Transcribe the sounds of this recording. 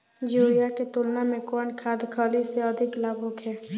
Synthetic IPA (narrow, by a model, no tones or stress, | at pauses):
d͡ʒuijaket̪ʊlnamẽkɔːnkʰaːd̪kʰəːliseəd̪ʱɪklaːbokɦɛː